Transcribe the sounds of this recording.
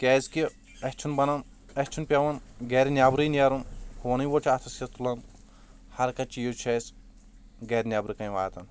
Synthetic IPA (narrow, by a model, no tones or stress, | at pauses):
kʲeːzki | ɐst͡ʃʰunbɐnɐn | ɐsʲt͡ʃʰunpʲɐʋɐnɡeːɾinʲaːbɾinɐɾunhuɐnijʋot͡ʃʰat̪ʰɐsɐt̪ulɐn | hɐɾkɐt͡ʃijot͡ʃʰes | ɡeːɾʲnʲjaːbɾikɐjʋaːt̪ɐn